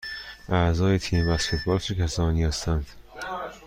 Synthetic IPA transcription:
ʔæzɒːjet̪ʰiːmvæskʰe̞t̪̚ʰbɒːlsʰekʲʰæsɒːnihæst̪ʰænd̪̥

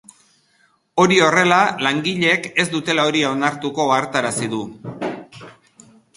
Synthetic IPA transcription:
o̞ɾio̞re̞lalaŋɡiʎe̞ke̞zd̪ut̪e̞lao̞ɾiao̞naɾt̪uko̞aɾt̪aɾasiðu

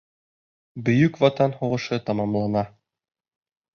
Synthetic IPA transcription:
bɵ̆jɵkvɑt̪ɑnhuʁɤ̆ʃɤt̪ɑmɑmlˠɑnɑ

